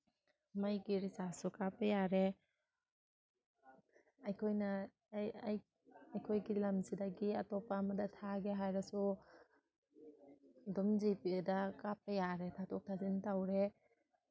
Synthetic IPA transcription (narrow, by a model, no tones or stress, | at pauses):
majɡiɾisasukapɐjaɾe | ajkʰojna | j | ajkʰojɡilamzidaɡiɐtɔpamɐdɐtʰaɡeɦajɾɐsu | dɔmzipidakap̚ajaɾetʰatɔk̚tʰazintawɾe